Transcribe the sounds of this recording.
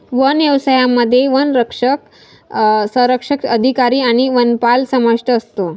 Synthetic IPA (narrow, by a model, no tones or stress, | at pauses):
ʋənjəʋsajamːəd̪ʱːjeʋənɾəkʂək | sə̃ɾəkʂəkəd̪ʱikaɾiːaɽ̃iʋənpalsəməʂʈəːst̪o